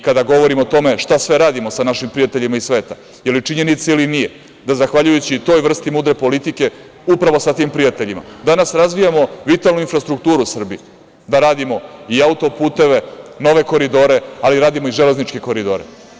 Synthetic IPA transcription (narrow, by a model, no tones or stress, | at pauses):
kad̪aɡo̞ʋo̞ɾimot̪o̞me̞ʂt̪asʋe̞ɾaːd̪imo̞sanaʃimpɾijat̪eʎimaisʋe̞ːt̪a | jelit͡ʂiɲe̞nit̪sailinije̞ | d̪azaxʋaʎujut͡ɕit̪o̞ːjʋr̩st̪imuːd̪ɾe̞po̞lit̪ike̞ | upɾaʋo̞sat̪iːmpɾijat̪e̞ʎima̰d̪anasɾazʋijamo̞ʋit̪alˠnuinfɾast̪ɾukt̪uːɾusr̩bi | d̪aɾaːd̪imo̞iaut̪o̞puːt̪e̞ʋe̞no̞ʋe̞ko̞ɾid̪o̞ɾe̞aliɾaːd̪imo̞iʒe̞le̞znit͡ʂke̞ko̞ɾid̪o̞ːɾe